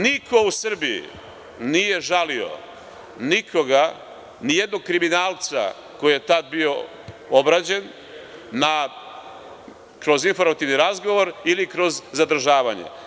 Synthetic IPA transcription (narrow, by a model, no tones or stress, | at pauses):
nikʰo̞usr̩biḭ | nije̞ʒalio̰ | nikʰo̞ɡa | nijed̪no̞ɡ̚kɾiminaːlˠt̪sa̰ | ko̞jije̞t̪ad̪bio̞ | obɾad͡ʑe̞nː | a | kɾo̞zinfo̞ɾmat̪iʋniɾazɡo̞ʋoɾilikɾo̞zzad̪ɾ̩ʒaːʋaɲḛ